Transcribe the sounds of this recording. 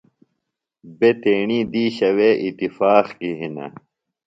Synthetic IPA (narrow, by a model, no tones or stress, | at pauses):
bet̪eːɳiːd̪iːɕɐweːʔit̪ifaːxkiɦinɐ̰